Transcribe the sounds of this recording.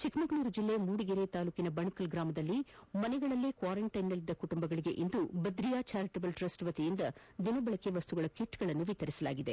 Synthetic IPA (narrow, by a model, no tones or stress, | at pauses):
t͡ʃikmɐɡnuːɾud͡ʒilːejɐmuːɽiɡeɾet̪aːluːkinɐbɐɳɐkɐlɡɾaːmɐd̪ɐlːimɐnɛɡɐɭɐlːekʋaːɾeɳʈɐjnːɐlːid̪ːɐkuʈumbɐɡɐɭiɡe̞̰ʔind̪ubɐd̪ɾijaːt͡ʃaːɾiʈɐbɐlʈɾɐsʈʋɐt̪ijind̪ɐd̪inɐbɐɭɐkeʋɐst̪uɡɐɭɐkiʈːɡɐɭɐnːuʋit̪ɐɾisɐlaːɡid̪e̞